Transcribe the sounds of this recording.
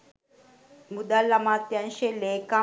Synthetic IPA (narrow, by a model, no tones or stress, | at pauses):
mud̪alːamat̪janʃeleka